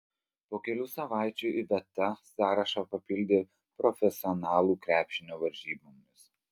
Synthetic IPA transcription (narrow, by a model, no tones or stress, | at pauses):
poːkʲɛlʲuːsɐʋɑˑɪt͡ʃʲuːɪʋʲɛt̪ɐsɑːɾɐʃɑːpɐpʲɪlʲd̪ʲeː | pɾɔfʲɛsʲɪɔnɑːlˠuːkɾʲæːpʲʃʲɪnʲoːʋɐɾʲʒʲiːbomʲʊs